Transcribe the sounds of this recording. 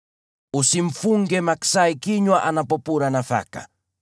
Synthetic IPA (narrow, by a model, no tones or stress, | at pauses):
usiɱ̩fuŋɡɛmaksaikiɲwaʔanapɔpuɾanafa̰ka̰